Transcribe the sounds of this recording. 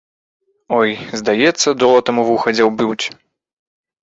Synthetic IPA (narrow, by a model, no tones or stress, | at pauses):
ɔjzd̪ajɛt̪sːɐd̪ɔlˠɐt̪ɐmuvuxɐd͡zʲɛwbʲuwt͡sʲ